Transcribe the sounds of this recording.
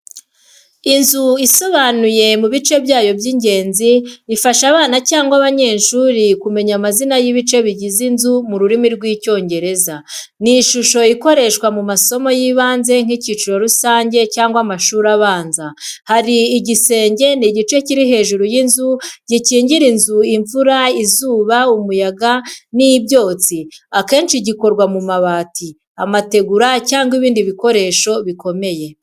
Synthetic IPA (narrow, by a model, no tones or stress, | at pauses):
inzuiso̞βanuje̞muβit͡ʃe̞bjaːjo̞bjiːɲɟe̞ːnziːfaʃaβaːnacaːŋɡwaβaɲe̞ːnʃuːɾikume̞ɲamazinajiβit͡ʃe̞βiɟizinzumuɾuɾimiɾɡwiːco̞ːɲɟe̞ɾe̞za | niʃuʃo̞iko̞ɾe̞ʃkwamumaso̞mo̞jiːβaːnze̞ŋ̥hiciːt͡ʃiɾo̞ɾusaːɲɟe̞caːŋɡwamaʃuːɾaβaːnzahaɾiːɟise̞ːɲɟe̞niɟit͡ʃe̞ciɾiɦe̞ːʒuɾujinzuɟ̥iciːɲɟiɾinzuiɱvuɾaizuːβaumujaɡaniibɟo̞ːt͡siake̞ːnʃiɟiko̞ɾɡwamumaβaːtʰi | amate̞ɡuɾacaːŋɡwiβiːndiβiko̞ɾe̞ːʃo̞βiko̞me̞je̞